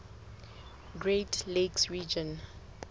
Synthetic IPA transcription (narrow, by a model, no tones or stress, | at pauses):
ɡɹetleksɹid͡ʒɔ̃n